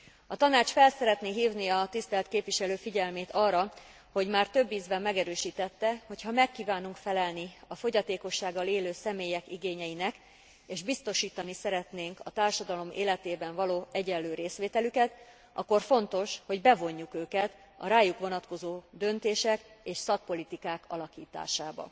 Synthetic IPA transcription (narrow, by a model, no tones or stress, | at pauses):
ɒt̪ɒnaːt͡ʃfɛlsɛɾɛt̪neːɦiːvniɒt̪ist̪ɛlt̪keːpʋiʃɛløːfiɟɛlmeːt̪ɒːrːɒ | ho̞ɟmaːrt̪ø̞bːiːzbɛmːɛɡɛɾøːʃiːt̪ɛt̪ːɛho̞chɒmɛkːiːvaːnuŋkfɛlɛlniɒfo̞ɟɒt̪eːko̞ʃːaːɡːɒleːløːsɛmeːjɛkiɡeːɲɛjinɛk | eːʒbist̪o̞ʃiːt̪ɒnisɛɾɛt̪neːŋkɒt̪aːrʃɒd̪ɒlo̞mḛːlɛt̪eːbɛɱvɒloːɛɟɛlːøːɾeːsʋeːt̪ɛlykɛt̪ | ʔɒ̰kːo̞rfo̞nt̪o̞ʃho̞ɟbɛvo̞ɲːukøːkɛt̪ | ɒ̰ɾaːjukʋo̞nɒt̪ko̞zoːd̪ø̞nt̪eːʃɛkeːʃsɒk̚po̞lit̪ikaːkɒlɒkiːt̪a̰ːʃaːbɒ̰